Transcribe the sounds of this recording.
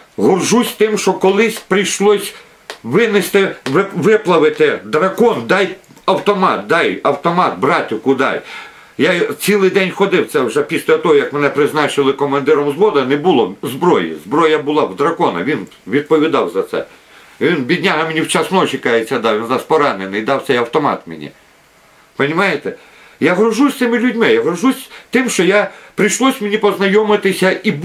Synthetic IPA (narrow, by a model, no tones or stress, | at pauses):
ɦʊrʒusʲt̪ɪmʃt͡ʃɔkɔlˠɪsʲpɾʲijʃlˠɔsʲ | ʋɪnɪst̪ɪʋɪʋɪplˠɐʋɪt̪ɪd̪ɾɐkɔnd̪ɑj | ɐwt̪ɔmɑt̪̚d̪ɑjɐwt̪ɔmɑt̪̚bɾɑtʲɪwkʊd̪ɑ̰j | jat͡sʲilˠɪjd̪ɛnʲxɔd̪ɪwt̪sɛwʒɛpʲisʲlʲɐt̪ɔɦɔjɐkmenɛpɾɪznɑt͡ʃɪlˠɪkɔmɐnd̪ɪɾɔmzʋɔd̪ɐnɛbʊlˠɔzbɾɔjḭzbɾɔjɐbʊlˠɑwd̪ɾɐkɔnɐ̰ʋʲin | ʋʲid̪̚pɔʋʲid̪ɑwzɐt̪sɛ̰ | ʋʲinbʲid̪ʲnʲaɦɐmʲenʲiwt͡ʃasnɔɔt͡ʃikɑjet͡sʲːɐd̪ɑwʋʲinzɑspɔɾɑnenɪjd̪ɑwt̪ɛjɐwt̪ɔmɑ̰t̪mʲɪ̰nʲḭ | pɐnʲimɑjet̪ɛ | jaɦɾʊʒusʲt̪ɪmɪlʲʊdʲmɪjaɦɾɔʒusʲt̪ɪmʃt͡ʃɔjapɾɪjʃlˠɔsʲmʲɪnʲipɔznɐjɔmɪt̪ɪsʲɐʔi